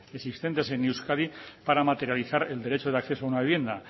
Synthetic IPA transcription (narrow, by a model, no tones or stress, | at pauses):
esist̪e̞nt̪e̞se̞nːiwskaðipaɾamat̪eɾjaliθaɾeld̪e̞ɾe̞t͡ʃoð̞eakθe̞soaunaβeβje̞nd̪a